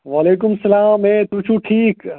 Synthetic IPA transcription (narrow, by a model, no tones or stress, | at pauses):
ʋaːleːk̬ʊmsɐlaːmẽːt̪ut͡ʃʰuːʈʰiːk